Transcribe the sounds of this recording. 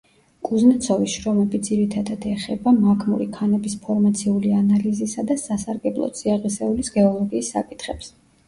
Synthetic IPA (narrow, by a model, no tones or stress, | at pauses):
kʼuznat̪sʰɔvisʃɾɔmɛbid̪ziɾit̪ʰad̪ad̪ɛχɛbamakʰmṵɾikʰanɛbispʰɔɾmat̪sʰiulianalizisad̪asasaɾɡɛblˠɔ̰t̪siaʁisɛulisɡɛɔlˠɔɡiːsːa̰kʼit̪ʰχɛps